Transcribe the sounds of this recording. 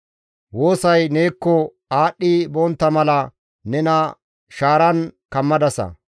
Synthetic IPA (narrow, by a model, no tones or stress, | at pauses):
wo̞ːsɐjneːkːɔ | aːɗːɪbɔnt̪ːɐmɐlɐ | nɛnɐ | ʃaːɾɐnkɐmːɐd̪ɐsɐ̰